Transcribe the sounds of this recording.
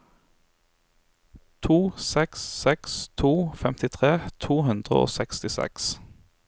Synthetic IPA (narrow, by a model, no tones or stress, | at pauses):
t̪ʰuːsɛksːɛkst̪ʰuːfɛmt̪ɪt̪ʰʁeːt̪ʰuːhʉnd̪ʁə̰o̰ːsɛkst̪ɪsɛ̰ks